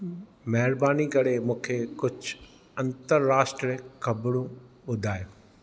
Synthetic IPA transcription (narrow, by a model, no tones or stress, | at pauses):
mɐɦɪɾbaːnikɐɽemũːkʰekʊd͡ʑʱʊ | ɐ̃nt̪əɾːaːʃʈɾixɐbɽũɓʊd̪ʱaːjoː